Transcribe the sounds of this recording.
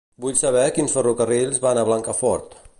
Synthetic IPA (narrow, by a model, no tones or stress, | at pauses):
buʎsəβ̞ɛkinsfərukərilzβanəβlaŋkəfɔɾt̪